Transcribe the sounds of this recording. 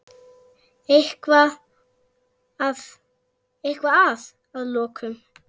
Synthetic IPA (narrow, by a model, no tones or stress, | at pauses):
ɪhkva | ð | ɪhkvaað | aðlɔːkʰʏm